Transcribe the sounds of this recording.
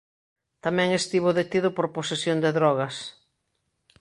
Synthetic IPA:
t̪amɛ̃ŋest̪iβʊðet̪iðʊpoɾposesjond̪eðɾɔɣɐs

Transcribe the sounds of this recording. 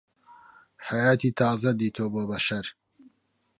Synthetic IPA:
ħajaːt̪iːt̪ʰaːzɐd̪iːt̪ʰoːboːbɐʃɐɾ

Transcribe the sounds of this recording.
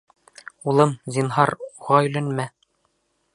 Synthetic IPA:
ulˠɤmzʲinɦɑɾuʁɑɵ̆lænmæ

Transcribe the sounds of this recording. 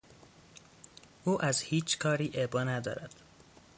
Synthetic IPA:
ʔuːʔæzhiːt͡ʃkʰɒːɾiːʔebɒːnæd̪ɒ̰ːɾæd̪̥

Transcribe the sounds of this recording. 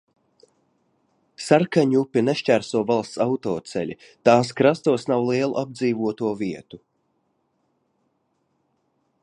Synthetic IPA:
saɾkaɲupʲineʃt͡ʃæɾsuɔvalˠst̪sawt̪ɔːt̪sɛ̰lʲi | t̪aːskɾast̪uɔsnawlˠiɛlˠṵʔab̚d̪ziːvuɔt̪uɔviɛt̪u

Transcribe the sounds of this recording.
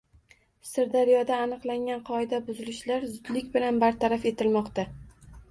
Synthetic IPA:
sɪɾd̪aɾijɒd̪aːnɨqlˠaŋʲanqʰɒɪd̪abʊzɪlɪʃlaɾzʊd̪lɪkʲbɪlanbaɾt̪ʰaɾafe̞t̪ʰɪlmɒqt̪a

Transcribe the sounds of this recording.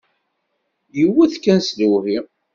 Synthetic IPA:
jəwːæθkːænsluvi

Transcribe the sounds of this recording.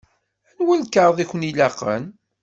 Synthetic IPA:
ænwælkːəɾˤðˤiçʷənilæqə̰n

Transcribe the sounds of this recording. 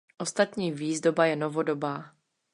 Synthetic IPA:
ʔo̞st̪at̪ɲiːviːzdo̞bajɛnovodobaː

